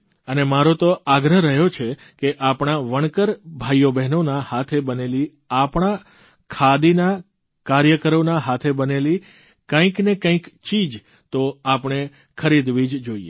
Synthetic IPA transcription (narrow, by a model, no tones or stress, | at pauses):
ənemaɾot̪oaɡɾəɦɾəɦjot͡ʃʰe | keʔapɳaʋəɳ̃kəɾbʱajobɛɦnonahat̪ʰebəneli | apɳ̃a | kʰad̪ina | kaɾjəkəɾonaɦat̪ʰebəneli | kə̃ĩknekə̃ĩkt͡ʃid͡ʒ | t̪oapɳ̃e | kʰəɾid̪ʋid͡ʒd͡ʒoiḛ